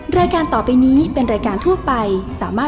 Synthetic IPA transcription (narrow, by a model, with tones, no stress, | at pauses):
ɾaː˧jkaː˧nt̪ɔː˨˩pa˧jniː˦˥pe˧nɾaː˧jkaː˧nt̪ʰu˥˩ɐpa˧jsaː˩˦maː˥˩